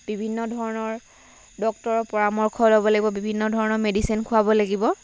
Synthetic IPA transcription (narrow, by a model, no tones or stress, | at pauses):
bibʱinːɔdʱɔɹɔnɔɹ | dɔk̚tɔɹɔpɔɹamɔɹkʰɔlobɔlaɡibɔbibʱinːɔdʱɔɹɔnɔɹmedisinkʰʊabɔlaɡibɔ